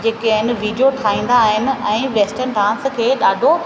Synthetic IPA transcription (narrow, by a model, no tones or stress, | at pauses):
d͡ʑeːkɦɪnɪ̆ʋiːɖjoʈʰaːĩːn̆d̪aːɦɪnɪ̆ɛ̃ːʋeːsʈəɾnɖãːnskʰeːɗaːɖʱo